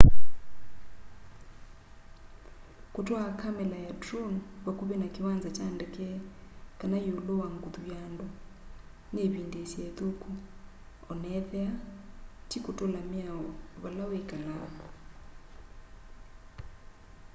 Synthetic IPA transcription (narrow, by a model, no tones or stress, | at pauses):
kotwakʰamɛlajadronβakoβenakewanzat͡ʃandɛkɛkanajolowaŋɡuðujandɔ | neβindesiɛðoku | ɔnɛðɛatikotolameaβalawekala̰kɔ